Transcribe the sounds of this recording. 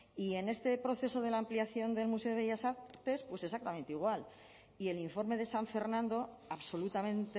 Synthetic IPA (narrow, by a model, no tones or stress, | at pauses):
ie̞ne̞st̪e̞pɾo̞θe̞so̞ð̞e̞laːmpliaθjo̞nd̪e̞lmuse̞o̞eʝasaɾt̪e̞spwe̞se̞sak̚t̪ament̪eiɣ̞wal | ie̞liɱfo̞ɾme̞ðe̞saɱfe̞ɾnãnd̪o̞ | aβso̞lut̪amẽ̞nt̪e